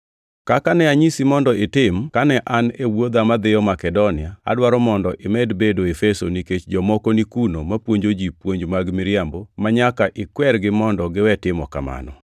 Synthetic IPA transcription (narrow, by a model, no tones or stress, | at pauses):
kakanɛaɲisimɔndɔɪtɪmkanɛʔanewod̪amad̪ɪjɔmakɛdonɪaa̰dwaɾɔmɔndɔʔɪmɛdbedoefesoniket͡ʃd͡ʒɔmɔkonikunomapwoɲd͡ʒod͡ʒipwoɲd͡ʒmaɡmɪɾjambomaɲakaʔɪkwɛrɡɪmɔndɔɡɪwɛtɪmɔka̰ma̰nɔ̰